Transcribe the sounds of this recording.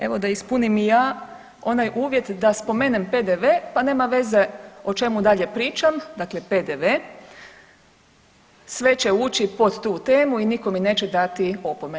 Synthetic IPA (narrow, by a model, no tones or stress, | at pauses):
e̞ʋo̞d̪aispunimijaː | o̞najʔuːʋje̞t̪d̪aspo̞menempe̞d̪eʋepane̞ːmaʋe̞ze̞o̞t͡ʃe̞mud̪aʎe̞pɾiːt͡ʃamd̪akle̞ped̪eʋe | sʋe̞t͡ɕe̞uːt͡ɕipo̞d̪t̪uːt̪eːmuiniko̞mine̞ːt͡ɕe̞d̪at̪io̞pome